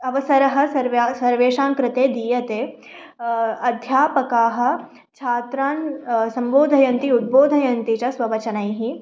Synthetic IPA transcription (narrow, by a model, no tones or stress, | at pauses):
ɐʋɐsɐɾɐɦɐ̆sɐɾʋsɐɾʋeːʃaːŋkɾɪt̪eːd̪ijɐt̪eː | ɐd̪ʱjaːpɐkaːɦɐ̆ | t͡ʃʰaːt̪ɾaːnsɐ̃mboːd̪ʱɐjɐnt̪iud̪̚boːd̪ʱɐjɐnt̪it͡ʃɐsʋɐʋɐt͡ʃɐnaiɦi